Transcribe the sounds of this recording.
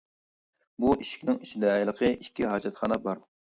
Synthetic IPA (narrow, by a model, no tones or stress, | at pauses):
buiʃi̥kʲnɪŋiʃid̪ɛlˠəqʰəikʲːiɦɑːd͡ʒɛt̪χɑnɛbɑɾ